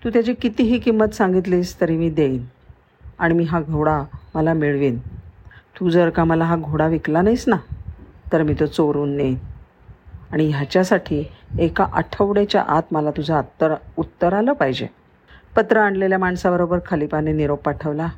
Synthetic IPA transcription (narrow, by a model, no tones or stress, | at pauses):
t̪uːt̪jat͡ɕekit̪iɦiːkimːət̪sãŋɡit̪̬liːst̪əɾimiːd̪ein | aɽ̃imiːɦaɡʱoɽaməlamiɭʋiːn | t̪ud͡zəɾkaməlaɦaɡʱoɽaʋiklanajsnat̪əɾmiːt̪ot͡soɾuːnːen | aɽ̃ijat͡ɕjasaʈʰiːekaʔəʈʰəʋɽet͡ɕja̰ʔat̪məlat̪ud͡zʱət̪ːəɾut̪ːəɾaləːpaɦid͡ʑḛ | pət̪ɾəaɳɖleljamaɳsabəɾobəɾkʰəlipaneniɾopːaʈʰəʋla